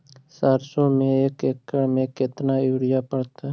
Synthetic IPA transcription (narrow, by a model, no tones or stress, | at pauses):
saːɾsomẽeːkekːəɽmẽːket̪naːuːɽɪjaːpəɽt̪a